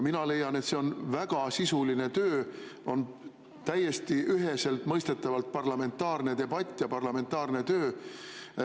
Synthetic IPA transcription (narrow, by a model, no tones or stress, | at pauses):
minɑle̞jɑne̞t̪se̞o̞nvæɡ̥ɑsisuline̞t̪øːo̞n | t̪æjːe̞st̪iʔyɦe̞se̞lt̪ˑmɤjst̪e̞t̪ːˑɑvɑlt̪̚pɑrlɑme̞nt̪ːˑɑːrne̞t̪e̞bɑt̪ʲˑːjɑpɑrlɑme̞nt̪ːɑːrne̞t̪øː